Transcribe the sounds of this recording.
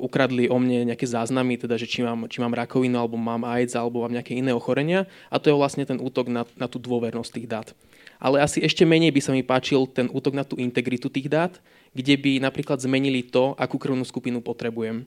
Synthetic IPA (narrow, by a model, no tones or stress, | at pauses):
ʔukɾad̪liʔɔmɲɛɲɛakɛːzaːznamit̪ɛd̪aʒɛt͡ʃimaːmt͡ʃimaːmɾakɔʋinualɛbɔmaːmajd͡zalɛbɔmaːmɲɛakɛinɛːɔxɔɾɛɲɪa | ʔat̪ɔjɛʋlastɲɛt̪ɛnʔuːt̪ɔɡnanat̪uːd̪ʊɔʋɛɾnɔsct̪iːɣd̪aːt̪ | ʔa̰lɛasiɛʃcɛmɛɲɛjbisamipaːt͡ʃilt̪ɛnʔuːt̪ɔɡnat̪uːint̪ɛɡɾit̪ut̪iːɣd̪aːt̪ | ɡɟɛbinapɾiːklad̪zmɛɲilit̪ɔʔakuːkɾr̩ʊnuːskupinupɔt̪ɾɛbujɛm